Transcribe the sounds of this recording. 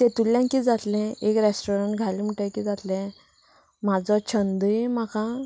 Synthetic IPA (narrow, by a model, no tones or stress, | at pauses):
t̪et̪uljãŋkiːd͡zat̪lɛ̃ekɾesʈoɾəɳʈɡʱalim̤əʈəjkid͡zat̪lɛ̃ | mad͡zɔt͡ɕʰənd̪əjmakã